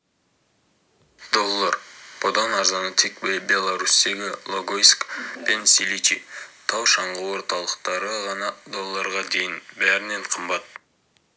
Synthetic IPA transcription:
d̪̥o̞lˠːəɾpʰod̪ɑnɑɾzɑnət̪ʰek̚bebʲe̞lˠaɾusd̪e̞ɡʲɪlˠoɡojskpensilʲit̪ʲit̪ʰɑwˠʃɑɴʁəwo̞ɾt̪ɑlˠəqt̪ɑɾəʁɑnɑd̪o̞lˠːəɾʁɑd̪e̞jɪnbæɾɪne̞ɴqʰəmbɑt̪

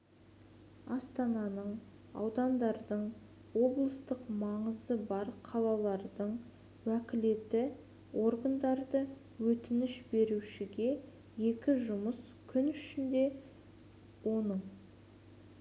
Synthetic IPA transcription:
ɑst̪ɑnɑnəɴ | ɑ̰wd̪ɑnd̪ɑɾd̪əɴ | wo̞blˠəst̪əqmɑɴəzəbɑɾqʰɑlˠɑlˠɑɾd̪əɴ | wækʲɪle̞t̪ɪ | o̞ɾɡənd̪ɑɾd̪ə | wɵt̪ɪnɪʃbe̞ɾuʃɪɡʲe̞ | je̞kʲɪʒʊməs | kʲʰʏnʏʃɪnd̪e̞ | wo̞nəɴ

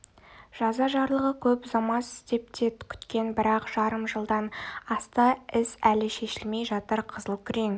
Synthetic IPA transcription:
ʒ̥ɑzɑʒɑɾlˠəʁəkʲʰɵpzɑmɑsɪ̥st̪e̞p̚t̪ʰe̞t̪kʲʰʏ̥t̪kʲe̞nbɪɾɑqʒ̥ɑɾəmʒəlˠd̪ɑnɑst̪ɑɪsælɪʃe̞ʃɪlme̞jʒɑt̪əɾqʰəzəlˠkʲʰʏɾeŋ

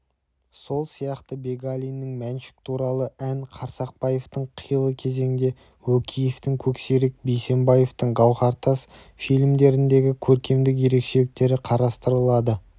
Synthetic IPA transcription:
so̞lˠsijɑqt̪əbe̞ɡalʲijnːɪŋmænʃɪ̥k̚t̪ʰuɾɑlˠəænqʰɑɾsɑq̚pɑje̞ft̪əɴqʰəjəlˠəkʲʰe̞ze̞ŋɪd̪e̞ | wɵkʲʰijeft̪ɪŋkʲʰɵkse̞ɾek̚bejse̞mbɑje̞ft̪əɴɡɑwʁɑɾt̪ɑs | fijlʲmd̪e̞ɾɪnd̪e̞ɡʲɪkʲʰɵɾkʲe̞md̪ɪk̬je̞ɾe̞kʃe̞lɪk̚t̪e̞ɾɪqʰɑɾɑst̪əɾəlˠɑd̪ə

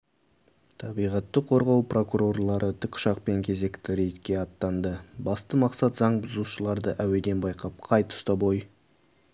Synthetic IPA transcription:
t̪ʰɑbijʁɑt̪ːəqʰo̞ɾʁɑwprʔo̞kuɾo̞rlˠɑɾʔət̪ʰʏkʲʰʃɑqpe̞ŋkʲʰe̞ze̞kt̪ɪɾe̞jt̪kʲe̞ɑt̪ːɑnd̪əbɑst̪əmɑqsɑt̪zɑɴbʊzuʃəlˠɑɾd̪əʔæwe̞d̪e̞nbɑjqɑp̚qʰɑjt̪ʰʊ̥st̪ɑbo̞j

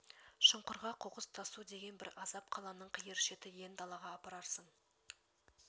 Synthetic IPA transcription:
ʃəɴqʊɾʁɑqʰoqəz̥t̪ʰɑsud̪e̞ɡʲe̞nbɪɾɑzɑp̚qʰɑlˠɑnəɴqʰəjəɾʃe̞t̪ɪje̞nd̪ɑlˠɑʁɑːpɑɾɑɾsəɴ

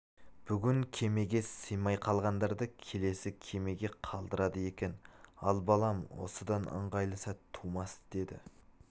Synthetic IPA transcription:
b̥ʏɡʲɪŋkʲʰe̞me̞ɡʲe̞səjmɑjqʰɑlˠʁɑnd̪ɑɾd̪əkʲʰe̞le̞sɪkʲʰe̞me̞ɡʲe̞qʰɑlˠd̪əɾɑd̪əje̞kʲe̞nɑlˠbɑlˠɑmwo̰səd̪ɑnə̰ɴʁɑjlˠəsɑtt̪ʰumɑst̪əd̪e̞d̪ɪ̰

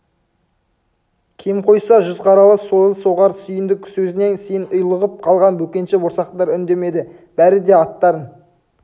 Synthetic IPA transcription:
kʲʰemqʰo̞jsɑʒʏzqʰɑɾɑlˠəsoəlˠso̞ʁɑɾsʏjɪnd̪ɪksɵzɪne̞nsejɪnʊjlˠəʁəp̚qʰɑlˠʁɑnbɵkʲe̞nʃɪboɾsɑqt̪ɑɾʏnd̪e̞me̞d̪ɪ | b̥æɾɪd̪e̞ɑt̪ːɑɾən

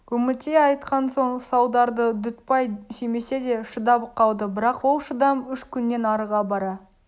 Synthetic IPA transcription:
ɵmɪt̪eɑjt̪qɑnso̞ɴsɑwd̪ɑɾd̪əd̪ʏt̪pɑjseme̞se̞d̪e̞ʃəd̪ɑbəqːɑlˠd̪əbɪɾɑqwo̞lˠʃəd̪ɑmʏʃkʲʰʏnːe̞nɑɾəʁɑbɑɾɑ

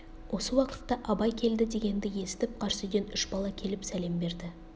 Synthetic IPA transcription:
wʔo̞səwɑqə̥t̪ːɑʔɑbɑjkʲʰe̞ld̪ɪd̪e̞ɡʲe̞nd̪ɪje̞sɪ̥t̪ɪp̚qʰɑɾsʏjd̪e̞nʏʃbɑlˠɑkʲʰe̞lɪpsæle̞mbe̞ɾd̪ɪ

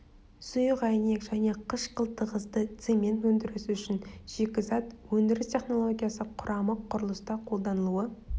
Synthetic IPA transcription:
sʊjəqæjne̞kʒæne̞qʰəʃqʰəlˠt̪əʁəzd̪ət̪semʲe̞nt̪wɵnd̪ɪɾɪsʏʃɪnʒ̥e̞kʲɪzɑt̪wɵnd̪ɪɾɪstʲʰe̞χno̞lˠo̞ɡʲijasəqʰʊɾʔɑməqʰːʊɾəlˠəst̪ɑqʰo̞lˠd̪ɑnəlˠuə

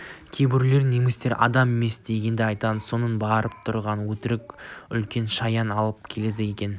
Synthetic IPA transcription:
kʲʰebɪɾle̞ɾne̞mɪst̪e̞ɾʔɑ̰d̪ɑme̞me̞sd̪e̞ɡʲe̞nd̪ɪɑjt̪ɑməo̞nənbɑɾəp̚t̪ʰʊɾʁɑnwɵt̪ɪɾɪkʲʏlkʲe̞nʃɑjɑnɑlˠəp̚kʲʰe̞le̞d̪ɪje̞kʲe̞n

